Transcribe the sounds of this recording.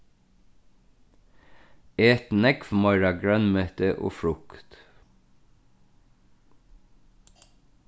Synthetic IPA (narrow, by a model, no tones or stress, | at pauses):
ɛt̪nɛkfmɔʏɾɑɡɹœnmœt̪əʔo̰ːfɹʊkt̪